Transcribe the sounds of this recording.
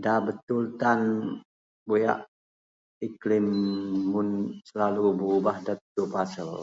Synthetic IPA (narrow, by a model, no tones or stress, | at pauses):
dabət̪ult̪an | boja̰ʔ | iklimːunsəlalububahdat̪ːupasəl